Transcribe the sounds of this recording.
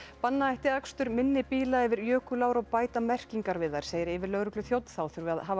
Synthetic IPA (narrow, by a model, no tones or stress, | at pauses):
panːaajht̪ɪakst̪ʏɾmɪnːɪpiːlaɛvɪɾjœːkʏlaːwɾaɣpaːjt̪amɛr̥ciŋkaɾvɪðaɾ̥sejɪɾɪːvɪlœɣɾʏklʏθjowt̪n̥θawθʏɾvaðɦaːv